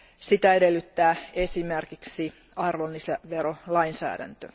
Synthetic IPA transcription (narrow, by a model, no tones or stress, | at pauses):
sit̪æedelːyt̪ːæːesimerkiksi | ɑrʋonːiseʋeɾolɑinsæ̰ːdæ̰nt̪ø